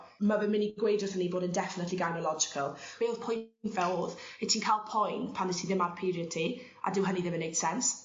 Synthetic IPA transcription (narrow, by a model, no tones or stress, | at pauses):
mavɪnmɪniɡwejdrɔsəniboːdəndɛfɪnətʰliɡajnɔlˠɔd͡ʒɪ̥kʰəlˠveːlˠðpʰɔjnfɛlˠðetʰiːnkʰaːlˠpʰɔjnpʰandətʰiðɪmarpʰiɾiəd̚tʰi | ʔa̰dɪwɦəniðɪmənejd̥sɛns